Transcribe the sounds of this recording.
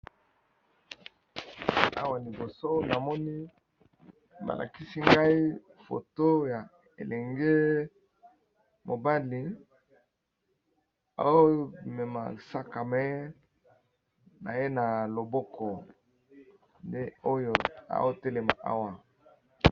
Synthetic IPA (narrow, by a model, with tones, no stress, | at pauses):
a̰˦wa˨li˨bo˨so˦na˨mɔ˦ni˦ | ba̰˨lʔa̰˨ki˦si˦ŋɡa˦i˦ | fo̰˨to˦ja˨ | ḛ˨lɛ˨ŋɡe˦ | mo˨ba˦li˨ | a̰˨o˦mɛ˨ma̰˨sa˦ka˨mɛ˦ | na̰˨je˦na˨lo˨bɔ˦kʰɔ˨ | nde˦o˦jo˨a̰˨o˦te˦le˨ma˨ʔa̰˦wa˨